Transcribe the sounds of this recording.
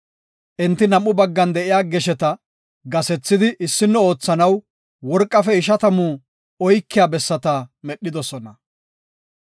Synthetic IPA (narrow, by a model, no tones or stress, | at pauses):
ʔɛnt̪ːɪnɐmːʊbɐɡːɐnd̪ɛʔɪjaːɡɛʃɛt̪ɐ | ɡɐsɛt͡sːɪd̪ɪʔɪsːɪnːɔo̞ːt͡sːɐnɐw | wɔɾkʼːɐfɛɪʃ̬ɐt̪ɐmu | ɔjkːɪjaːbɛsːɐt̪ɐmɛɗːɪd̪ɔsɔnɐ